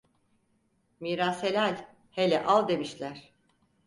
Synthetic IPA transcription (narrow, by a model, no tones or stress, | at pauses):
miːɾaːshelʲælʲ | helʲɛ̰ʔalˠd̪e̞miʃlʲæɾ̝̥